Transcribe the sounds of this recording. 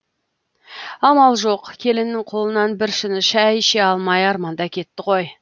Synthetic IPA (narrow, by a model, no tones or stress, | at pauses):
ɑmɑlˠʒo̞qkʲʰe̞lɪnnːɪŋqʰo̞lˠənɑnbɪɾʃɪnɪʃæjʃeɑlˠmɑjɑɾmɑnd̪ɑkʲʰe̞t̪ːɪqʰo̞j